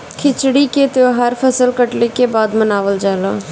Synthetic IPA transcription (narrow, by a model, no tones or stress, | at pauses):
kʰɪt͡ʃɽiket̪eoɦəɾpʰəsəlkəʈlekebaːd̪mənaːʋəld͡ʒaːla̰ː